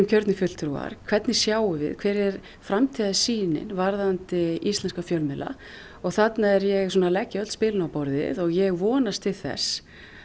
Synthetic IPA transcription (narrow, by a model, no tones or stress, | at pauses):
ɪmcʰœɾt̪nɪfʏt̪lt̪ɾua̰ɾ̥kʰv̥ɛt̪nɪ̥sjaːwʏvɪ̰ðkʰvɛːɾɛɾ̥ | fɾamt̪ʰiðasiːnɪ̰nvaɾðant̪ɪist̪lɛnskafjœlmɪlʔa̰ | ɔɣθat̪naɛɾjɛɣs̬ɔːnalɛcːœt̪spɪːlnawpɔɾðɪ̰ðɔɣjɛɣvɔːnast̪ʰɪðθɛ̰s